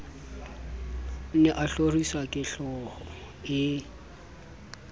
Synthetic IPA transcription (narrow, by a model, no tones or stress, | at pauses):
nɛʔaɬorisakʼɪɬɔhɔ | ɪ